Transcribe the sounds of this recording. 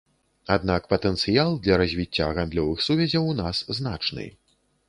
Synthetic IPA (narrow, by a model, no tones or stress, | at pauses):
ad̪̚nakpɐt̪ɛnt̪sɨjalˠd̪lʲɐɾɐzʲvʲit͡sʲːaːɣand̪lʲɔvɨxsuvʲɛzʲɐwnasznat͡ʂnɨ̰j